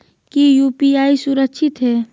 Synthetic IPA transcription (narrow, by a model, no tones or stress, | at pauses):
kijuːpiaːisʊɾəkʃʰɪt̪ɦɛː